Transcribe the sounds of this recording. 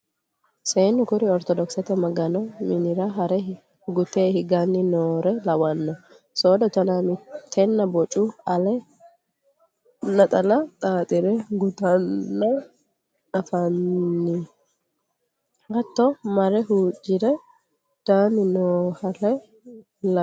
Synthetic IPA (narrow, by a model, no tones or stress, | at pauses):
seːnːʊkʊɾɪɔɾt̪ɔd̪ɔksɐt̪ɛmɐɡɐnɔmɪnɪɾɐɦɐɾɛ | ɡʊt̪eːhɪɡanːɪnoːɾɛlɐwɐnːɔ | soːd̪ɔt̪ɐnamɪt̪ʰːɛnːɐbɔt͡ʃʼːuɐlɛ | nɐt̪ʼɐlɐt̪ʼaːt̪ʼɪɾɛɡʊt̪ɐnːɐ | ᶑɐfɐnːɪ | hɐt̪ːɔmɐɾɛɦuːd͡ʒɪɾɛ | d̪̥aːnːɪnoːhɐlɛ | l